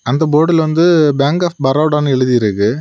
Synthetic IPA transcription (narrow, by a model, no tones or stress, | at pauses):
ɐnd̪ɐboːɽɪlʋɐnd̪ɯbaːŋkaːfbɐɾɐʊɽaːnɐɛɻɯðijɪɾɯkːɯ